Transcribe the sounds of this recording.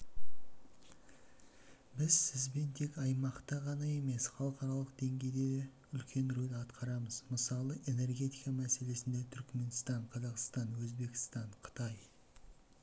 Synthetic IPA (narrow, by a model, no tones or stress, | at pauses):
bɪzsɪzbe̞nt̪ʰe̞kɑjmɑqt̪ɑʁɑnɑe̞me̞sχɑlˠəqɑɾɑlˠəq̚d̪̥e̞ŋɡʲe̞jd̪e̞ | ʏlkʲʰe̞nɾolɑt̪qʰɑɾɑməzməsɑlˠəʔe̞ne̞rɡʲe̞t̪ijkɑmæse̞le̞sɪnd̪e̞t̪ʰʏɾkme̞nst̪ɑɴqʰɑzɑqst̪ɑnwɵzbe̞kʲɪ̥st̪ɑɴqʰə̥t̪ɑj